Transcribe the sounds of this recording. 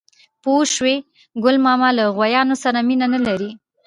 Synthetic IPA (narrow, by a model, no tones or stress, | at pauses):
poʃwe | ɡʊlmɑmɑlaɣwajɑnosaɾaminanalaɾi